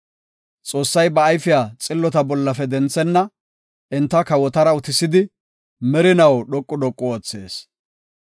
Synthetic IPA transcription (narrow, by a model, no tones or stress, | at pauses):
t͡sʼo̞ːsːɐjbɐːjfɪjaːt͡sʼɪlːɔt̪ɐbɔlːɐfɛd̪ɛnt͡sːɛnːɐ | ʔɪnt̪ːɐkɐwɔt̪ɐɾɐʊt̪ɪsɪd̪ɪ | mɛɾɪnɐwɗɔkʼːʊɗɔkʼːɔoːt͡sːe̞ːs